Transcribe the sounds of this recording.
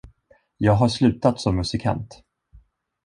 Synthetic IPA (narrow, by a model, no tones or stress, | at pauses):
jɑːɡɦaʂlʉ̟ːt̪at̪sɔmːɵsɪkʰa̰nt̪